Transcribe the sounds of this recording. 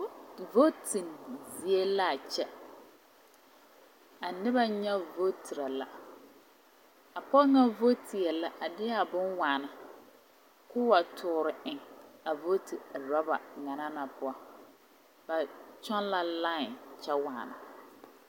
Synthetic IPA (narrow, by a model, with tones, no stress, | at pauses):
vo˦ti˨nzi˨e˦la˦˨t͡ʃɛ˦ | a˨nɪ˦ba˦ɲɛ˦vo˦tʰi˨ɾa˨la̰˨ | a˨pɔ˦ŋa˦vo˦ti˨ɛ˨la˦ʔa˨dɪ˦a˨bʊ˦nwaː˨na˨ | kʊ˦wa˨tʰʊː˨ɾɪ˨ʔɪ˨ŋa˨vo˦ti˨ɾɔ˦ba̰˨ŋa˨na˦na˨pʊ˦a˨ | ba˨t͡ʃɔ˦nla˦la˦ɪ˨nt͡ʃɛ˦waː˨na̰˨